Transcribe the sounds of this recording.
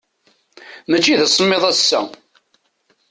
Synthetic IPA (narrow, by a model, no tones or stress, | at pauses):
mət͡ʃːiðæsəmːeðˤæsːæ̰